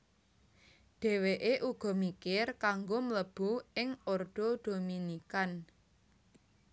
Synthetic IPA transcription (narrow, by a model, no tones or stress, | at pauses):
ɖ̪̥ɛ̤weʔeʔuɡ̥ɔ̤mikɪrkaŋɡomələb̥uɪŋord̪̥od̪̥o̤minikan